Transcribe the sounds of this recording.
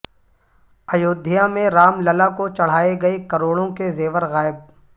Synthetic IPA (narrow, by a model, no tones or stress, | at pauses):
ɐjoːd̪ʱːɪjamẽɾaːmlɐlakot͡ʃɐɽ̤aːeɡɐekɐɾoːɽõkezeːʋəɾɣaːɪb̚